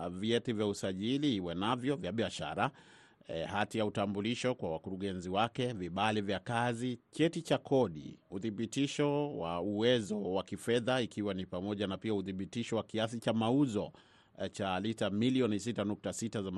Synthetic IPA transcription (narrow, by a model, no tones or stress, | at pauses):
viɛtivjausaʄiliiwɛnavjɔvjaɓiaʃa̰ɾa | hatijautambuliʃɔkwawakuɾuɠɛnziwakɛviɓalivjakazit͡ʃɛtit͡ʃakʰɔɗḭuθiɓitiʃɔwa̰uwɛzɔwakifɛðaikʰiwanipamɔʄanapiauθiɓitiʃɔwakias̬it͡ʃamauzɔ | t͡ʃalitamiliɔnisitanuk̚tasitazam